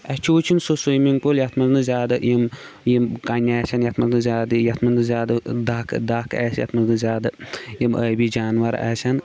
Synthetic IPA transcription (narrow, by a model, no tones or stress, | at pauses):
ɐt͡ʃʰoːt͡ʃʰinsosujmiŋpoljɐt̪ʰmɐznɨzʲaːd̪ɨjimjimkɐnʲaːsʲɐnjɐt̪ʰmɐnznɨzʲaːd̪ɨjɐt̪ʰmɐnd̪ɨzʲaːd̪ɨd̪aːkʰd̪aːkʰɛ̰ːsjɐ̰t̪ʰmɐnznɨzʲaːd̪ɨjiməːbid͡ʒaːnʋɐɾa̰ːsʲɐn